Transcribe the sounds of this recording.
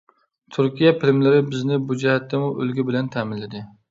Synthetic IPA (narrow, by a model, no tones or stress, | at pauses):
t̪ʰʊɾkʲijapʰɪlmlɪɾɪbɪznɪbud͡ʒɪhat̪ʰːɪmʊʔɵlɡʲɪbɪlant̪ʰæmɪnlɪd̪ɪ